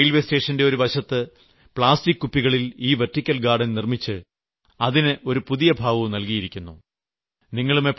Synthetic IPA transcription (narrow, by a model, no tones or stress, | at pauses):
jlʋeste̞ːʂɐnde̞o̞ɾuʋɐɕɐt̪ːɨ | pɭaːstikːupːiɣɐɭiliːʋertːikʲːɐlɡaːɖɐnnirmit͡ɕːɨ | ɐðinɨʔo̞ɾupuðijɐbʱaːʋɐʋnɐlkijiɾikʲːunːṵ | niŋːɐɭumepː